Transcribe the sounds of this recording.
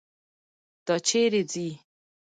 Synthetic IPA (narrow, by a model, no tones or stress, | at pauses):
d̪̥at͡ʃʰeɾed͡zi